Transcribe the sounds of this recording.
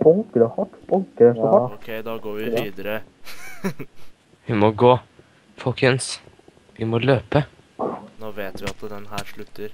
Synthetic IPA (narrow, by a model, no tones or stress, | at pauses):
bɔlkəɾɔhɑʈbɔŋkəɾɛɔokʰɛɪd̪ɑɡoːɾʋɪiːd̪əɾə | ʋɪmɔɡoː | fɔlkʰəns | ʋɪmɔløːpə | noːʋeːt̪ʋɪɑt̪d̪ɛnɦæːɾʂɭʉt̪ʰːəɾ